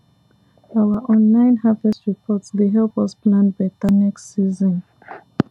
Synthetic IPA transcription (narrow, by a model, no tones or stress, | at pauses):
awaʔɔ̃nlãɪ̃nhavɛstɹipʰɔtsdeɦɛlpɔsplãnbitaniksizɔ̃n